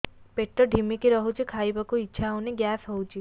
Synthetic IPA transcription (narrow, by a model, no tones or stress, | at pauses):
peʈːɔɖʱimikiɾɔɦut͡ʃʰikʰajbakuitːʃʰaawneɡjasɦɔwt͡ʃʰi